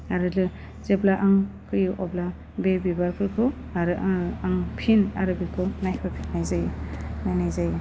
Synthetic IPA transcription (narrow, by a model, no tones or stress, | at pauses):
aɾɯlɯ | zeblaʔaŋkɯjʔɔbla | bebibaɾpʰɯɾkʰɯ | aɾɯʔaŋpʰina̰ɾɯbikʰɯnajkʰɯɾpʰi̥nnajzajnajnajzaj